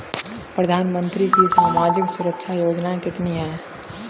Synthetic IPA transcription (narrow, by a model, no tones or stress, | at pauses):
pɾəd̪ʱaːnmə̃nt̪ɾikisaːmaːd͡ʒɪksʊɾəkʃʰajoːd͡ʒnaẽkɪt̪niɦɛ̃ː